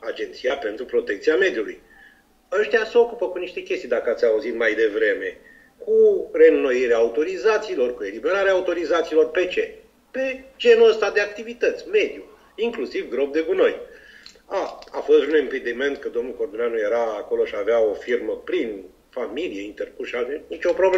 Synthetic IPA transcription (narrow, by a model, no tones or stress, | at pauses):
ad͡ʒe̞nt̪sijape̞nt̪ɾupɾo̞t̪ekt̪siame̞d̪juluj | aʃt̪ejaseo̞kupəkuniʃt̪e̞kʲest̪ijd̪akəat̪sʲauzit̪majd̪e̞vɾe̞me̞ | kure̞nːo̞iɾeaːut̪o̞ɾizat̪siːlo̞rkue̞libe̞ɾaɾeaːut̪o̞ɾizat̪siːlo̞rpe̞t͡ʃe̞ | pe̞d͡ʒe̞nuəst̪ad̪e̞ak̚t̪ivit̪ət̪sʲme̞d̪ju | iŋklusivɡɾo̞p̚d̪e̞ɡuno̞j | aa̰fost̪unemped̪ime̞nt̪̚kəd̪o̞mnuko̞rd̪onʲanuje̞ɾaːko̞lo̞ʃiaveao̞firməpɾin | familijeint̪erkuʃavenit͡ʃo̞pɾo̞ble